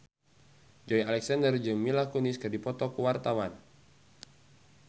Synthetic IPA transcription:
d͡ʒɔjalɛksandərd͡ʒɨŋmilakɔniskɨrdipɔt̪ɔkuwart̪awan

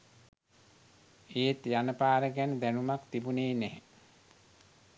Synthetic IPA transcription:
eːt̪janəpaːɾəɡænəd̪ænumakt̪ibuneːnɛe

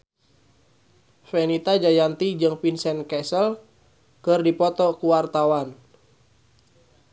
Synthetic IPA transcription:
fɛnit̪ad͡ʒajant̪id͡ʒɨŋpinsɛnkɛsəl | kɨrdipɔt̪ɔkuwart̪awan

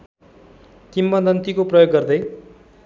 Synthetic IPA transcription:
kimːʌd̪ʌnt̪ikoprʌjoɡːʌrd̪ʌj

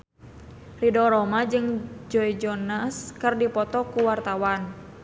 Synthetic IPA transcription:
ridɔɾɔmad͡ʒɨŋd͡ʒɔid͡ʒɔnaskɨrdipɔt̪ɔkuwart̪awan

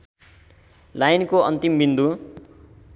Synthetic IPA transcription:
lajnkoʌnt̪imbind̪u

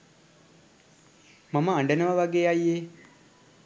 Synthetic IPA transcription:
maməːɳɖənəʋəʋaɡeːajːe

